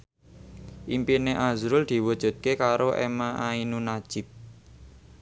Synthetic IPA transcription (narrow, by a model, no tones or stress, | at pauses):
ʔimpineʔazɾʊld̪̥i̤wud̥ʒ̥ṳt̪̚kekaɾoʔḛmaʔainunad̥ʒ̥ɪ̤p̚